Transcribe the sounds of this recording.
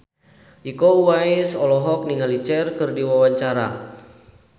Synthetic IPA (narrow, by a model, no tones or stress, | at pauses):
ʔikowaisɔlɔɦɔk̚niŋalit͡ʃɛrkɨrdiwawaɲt͡ʃaɾa̰